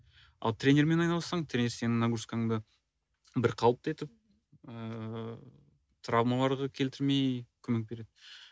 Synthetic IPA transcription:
ɑ̰lˠt̪ɾʲe̞nʲe̞ɾme̞nɑjnɑlˠəsɑɴt̪ʰɾʲe̞nʲese̞nɪnaɡuskaŋd̪ə | bɪɾqʰɑw̪ˠəp̚t̪ɑet̪ɪp̚ | ə | t̪ʰɾavmalˠɑɾʁɑkʲʰe̞lt̪ɪɾme̞jkʲʰɵme̞k̚be̞ɾe̞d̪ɪ

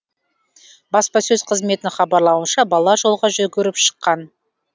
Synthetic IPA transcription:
bɑspɑsɵzqʰəzme̞t̪ɪχɑbɑɾlˠɑwənʃɑbɑlˠɑʒo̞lˠʁɑʒʏɡʲʏɾɪpʃə̥qːɑn

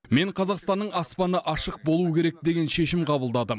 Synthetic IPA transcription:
me̞ɴqʰɑzɑqst̪ɑnːəɴɑspɑnəʔɑʃəq̚bo̞lˠuəkʲʰe̞ɾe̞k̚d̪e̞ɡʲe̞nʃe̞ʃɪmqʰɑbəlˠd̪ɑd̪ə

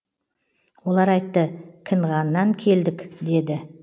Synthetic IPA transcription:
wo̞lˠɑɾɑjt̪ːəkʲʰɪnʁɑnːɑŋkʲʰe̞ld̪ɪkʲd̪e̞d̪ɪ

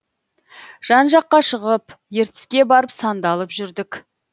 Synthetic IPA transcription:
ʒ̥ɑnʒɑqːɑʃəʁəpje̞ɾt̪ɪ̥skʲe̞bɑɾəpsɑnd̪ɑlˠəpʒʏɾd̪ɪk

